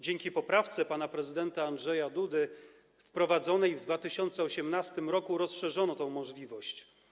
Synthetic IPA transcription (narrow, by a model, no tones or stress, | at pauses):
d͡ʑeŋkʲipɔpɾaft̪sɛpanapɾɛzɘd̪ɛnt̪aːndʐɛjad̪ud̪ɘ | fpɾɔvad̪zɔnɛjvd̪vat̪ɘɕɔnt̪sɛɔɕɛmnast̪ɘmɾɔkuɾɔsʂɛʐɔnɔt̪ɔ̃w̃mɔʐlʲivɔɕt͡ɕ